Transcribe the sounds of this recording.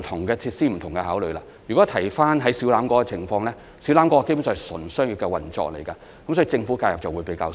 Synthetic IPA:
t̪ʰʊ˨˩ŋkɛː˧t͡sʰiː˧t̚siː˥m̩˨˩t̪ʰʊ˨˩ŋkɛ˧haː˨˥wlɵ˨˧ɥlaː˧ | jyː˨kɔː˨˥t̪ʰɐ˨˩jfaː˥nɦɐ˨˥jsiː˨˥wlaː˨˧˥mkɔː˨˥kɛ˧t͡sʰɪ˨˩ŋfɔː˧ŋlɛː˥ | si˨˥wlaː˨˥mkɔ˨˥ɔ˨ke˥˩bu˧˥nsɔː˨˩sɵ˨˩nsœː˥ŋjy˨˩kɛ˧wɐ˨˩nt͡ʃɔ̰ː˧k̚le˨˩jkɐ˧ | kɐ˨˦msɔː˨˥i˨t͡sɪ˧ŋfu˨˥kaː˧jɐ˨p̚t͡sɐ˨wuː˨˧jpe˨˥jkaː˧

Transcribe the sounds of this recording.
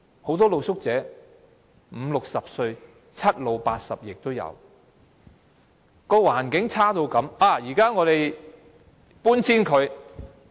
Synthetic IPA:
ho˨˥wt̪̬ɔː˥lo˨˧wsʊ˥k̚t͡sɛː˨˥ | m̩˨˧lʊ˨k̚sɐ˨p̚sɵ˧ɥ | t͡sʰɐ˥t̚lo˨˧wpaː˧t̚sɐ̰˨p̚jɪ˨k̚t̪o˥wjɐ̰˨˧w | kɔː˧waː˨˩nkɪ˨˥ŋt͡sʰaː˥t̪o˧wkɐ˨˧˥maː˨˩jiː˨˩kaː˥ŋɔː˨˧t̪e˨j | puː˥nt͡sʰiː˥nkʰɵ˨˧ɥ

